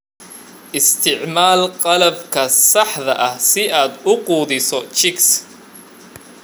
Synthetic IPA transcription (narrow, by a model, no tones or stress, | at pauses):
ʔɪst̪ʰɪʕmaːlqɑlɐbkʰɐsɑħðɐʔɐhsɪaːd̪ʊquːðɪsɔt͡ʃɪks